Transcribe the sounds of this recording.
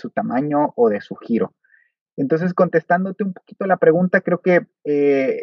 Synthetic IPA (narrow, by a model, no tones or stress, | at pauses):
sut̪amãɲo̞ʔoðe̞suxiɾo̞̰ | ent̪o̞ns̬e̞sko̞nt̪e̞st̪and̪o̞t̪e̞umpo̞̥ki̥t̪o̞lapɾe̞ɣunt̪akɾeoke̞ | e